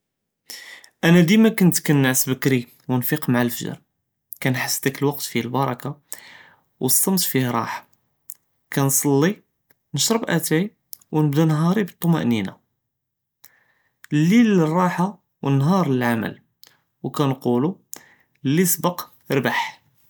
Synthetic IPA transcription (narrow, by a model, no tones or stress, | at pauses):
ʔænæd̪imækʊnt̪kænːæʕsbəkɾi | wənfiqmaʕalfəʒə̰ɾˤ | kænħəsːd̪ækəlwɑqt̪filbɑɾˤɑ̰ka | wst̪ɑmt̪fihɾˤɑ̰ħḁ | kænsˤɑlːi | nəʃɾˤəbʔæt̪æj | wnəbd̪ænɦɑɾibət̪ˤːomæ̰ʔnina̰ | lːilərˤːɑħa | wənɦɑɾˤləlʕamə̰l | wkænqulu | lːisˤbəq | ɾbaħ